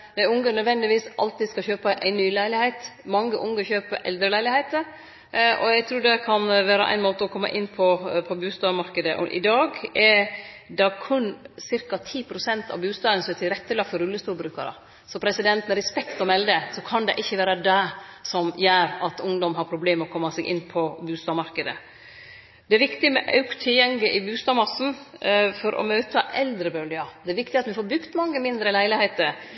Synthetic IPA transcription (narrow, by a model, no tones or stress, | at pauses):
nɛʊŋɡənœd̪ʋɛnd̪ɪʋiːsʔɑ̰lt̪ɪd̪skɑçøːpɑʔæɪnyːlæɪlɪheɪt̪mɑŋːəʔʊŋɡəçøːpəɾɛ̰ld̪ɾəlæɪlɪheɪt̪əɾ | ʔɔ̰jæɡt̪ʰɾuːɖɛkʰɑnʋæːɾəʔæ̰ɪnmoːt̪əɔkʰɔmːɑ̰ʔɪnːpʰɔpʰɔbʉːst̪ɑːmɑɾkəd̪əʔɔ̰ʔɪ̰d̪ɑːɡɛd̪ɑkʰʉnsɪɾkɑt̪ʰiːpʰɾʊsɛnt̪ɑ̰ʋbʉːst̪ɑːd̪ənsɔmɛt̪ʰɪlɾɛt̪ːəlɑɡ̚fɔɾʉlːəst̪uːlbɾʉːkɑɾə̰ | sɔpʰɾɛsɪd̪ɛnt̪mɛɾɛspɛkt̪ɔmɛld̪əsɔkʰɑnd̪ɛ̰ʔɪçːəʋæːɾəd̪æsɔmjæːɾɑt̪ʊŋd̪ɔmɦɑɾpʰɾʊbleːmɔkʰɔmːɑsɛɡʔɪ̰nːpʰɔbʉːst̪ɑːmɑɾkəd̪ə̰ | d̪ɛæɾʋɪkt̪ɪmɛʔɑ̰ʉkt̪ʰɪljɛŋlɪʔɪbʉːst̪ɑːmɑsn̩fɔɾʔɔ̰møːt̪ʰəʔɛld̪ɾəbœːlɪɑd̪ɛæɾʋɪkt̪ɪɑt̪ʋɪfoːɾbʉkt̪mɑŋːəmɪnd̪ɾəlæɪlɪheɪt̪əɾ